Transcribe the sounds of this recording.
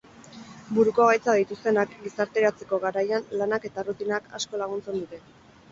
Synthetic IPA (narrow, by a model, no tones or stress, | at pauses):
buɾuko̞ɣajt͡saðit̪ust̪e̞nakɡisaɾt̪e̞ɾat͡se̞ko̞ɣaɾajanlanake̞t̪arut̪inakʰa̰sko̞laɣ̞unt͡se̞nd̪ut̪e̞